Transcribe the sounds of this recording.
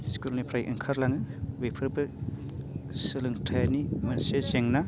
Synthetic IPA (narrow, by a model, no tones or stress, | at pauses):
skulnipʰɾajʔḭŋkʰaɾlaŋɯwepʰɯɾbɯ | sɯlɯŋtʰajanimɐnsezeŋnɐ